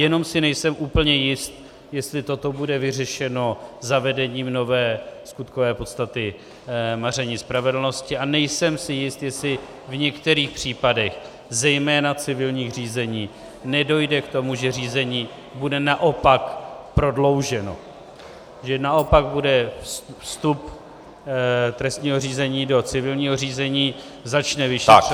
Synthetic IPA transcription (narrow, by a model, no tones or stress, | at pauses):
jɛno̞msɪnɛjsɛmʔuːpl̩ɲɛjɪst̪ | jɛst̪lɪt̪o̞t̪o̞budɛvɪrɛʃɛno̞zavɛdɛɲiːmno̞vɛːskut̪kovɛːpo̞t̪st̪at̪ɪ | mar̝ɛɲiːspɾavɛdl̩no̞scɪanɛjsɛmsɪjɪst̪jɛst̪lɪ | vɲɛkt̪ɛɾiːxpr̝̥iːpadɛx | zɛjmɛːnat͡sɪvɪlɲiːɣr̝iːzɛɲiː | nɛdo̞jdɛkt̪o̞muʒɛriːzɛɲiː | budɛnaʔo̞pakpɾo̞dlo̞wʒɛno̞̰ | ʒɛnaʔo̞paɡ̚budɛfsfst̪up | t̪ɾɛst̪ɲiːɦo̞riːzɛɲiːdo̞t͡sɪvɪlɲiːɦo̞r̝iːzɛɲiː | zat͡ʃnɛvɪʃi